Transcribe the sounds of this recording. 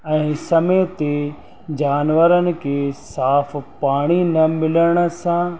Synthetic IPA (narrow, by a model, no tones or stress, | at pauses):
ɛ̃ːsɐmeːt̪e | d͡ʑaːnʋəɾənɪ̆kʰeːsaːfʰpaːɽ̃inɐmɪləɽ̃̆sãː